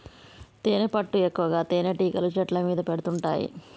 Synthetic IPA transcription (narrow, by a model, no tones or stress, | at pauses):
t̪eːnepɐʈːuekːuʋɐɡaːt̪eːneʈiːkɐlut͡ʃɐʈlɐmiːd̪ɐpeɽut̪uɳʈa̰ːjḭ